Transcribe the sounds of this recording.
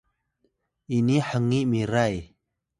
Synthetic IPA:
iniħəŋiʔmiɾaj

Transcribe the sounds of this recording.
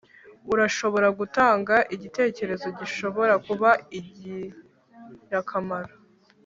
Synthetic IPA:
uɾaʃo̞βo̞ɾaɡutaːŋɡaʔiɟite̞ːce̞ɾe̞zo̞ɟiʃo̞βo̞ɾakuβaiɟi | jakʰamaɾo

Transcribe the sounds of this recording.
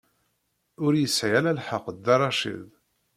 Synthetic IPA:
ʊɾjəsʕjalælħəqːd̪ːɑrˤɑʃḭð

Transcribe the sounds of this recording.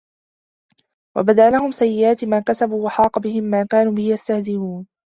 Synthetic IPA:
wa̰bad̪aʔlahʊmsajːɪʔaːt̪maːkasabuːwaħɑːqɑbɪhɪmːaːkaːnuːbɪhɪjast̪ahzɪhuːn

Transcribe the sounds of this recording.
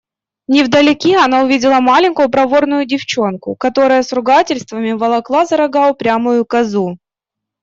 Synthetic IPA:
nʲɪvd̪ɐlʲɪkʲiɐnaʊvʲidʲɪlˠəmalʲɪnʲkʊjʊpɾɐvo̞rnʊjʊdʲɪft͡ɕo̞nkʊ̰kɐt̪o̞ɾəjəsɾʊɡatʲɪlʲst̪vəmʲɪvɐlˠɐklˠazɐɾɐɡapɾʲamʊjʊkɐzu

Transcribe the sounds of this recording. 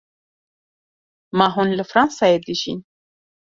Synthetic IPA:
maɦunləfɾɑnsɑjed̪iʒḭn

